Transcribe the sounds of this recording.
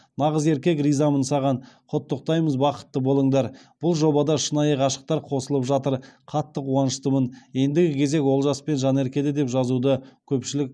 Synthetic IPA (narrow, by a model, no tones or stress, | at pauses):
nɑʁəze̞ɾkʲe̞krijzɑmənsɑʁɑnqʰʊt̪ːəq̚t̪ɑjməzbɑqə̥t̪ːəbo̞lˠəɴd̪ɑɾb̥ʊlˠʒo̞bɑd̪ɑʃənɑjəqɑʃə̥q̚t̪ɑɾqʰo̞səlˠəpʒɑt̪əɾqʰɑt̪ːəqwɑnəʃt̪əmənje̞nd̪ɪɡʲɪkʲʰe̞ze̞kwo̞lˠʒɑspe̞nʒɑne̞ɾkʲe̞d̪ed̪e̞pʒɑzud̪əkʲʰɵpʃɪlɪk̚ʲ